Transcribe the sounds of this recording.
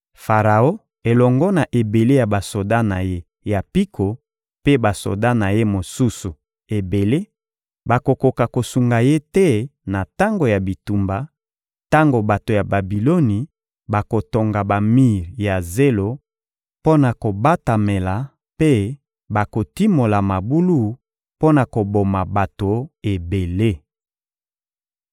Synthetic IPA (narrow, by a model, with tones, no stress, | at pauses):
fa˨ʁa˨o˦ | e˨lɔ˨ŋɡɔ˦na˨ʔe˨be˨le˦ja˨ba˨so˨da˦na˨je˦ | ja˨pi˦kʰo˨ | pe˦ba˨so̰˨da˦na˨je˦mo˨su˦su˨ | e˨be˨le˦ | ba˨ko˨ko˨ka˨ko˨su˨ŋɡa˨je˦tɛ˦na˨ta˦ŋɡo˨ja˨bi˨tu˨mba˨ | ta˦ŋɡo˨ba˨to˨ja˨ba˨bi˨lo˦ni˨ | ba˨ko˨to˨ŋɡa˨ba˨mi˦˨ʁja˨ze˦lo˦ | po˦na˨ko˨ba˦ta˨me˨la˨ | pe˦ | ba˨ko˨ti˦mo˨la˨ma˨bu˦lu˦ | po˦na˨ko˨bo˨ma˨ba˨to˨e˨be˨le˦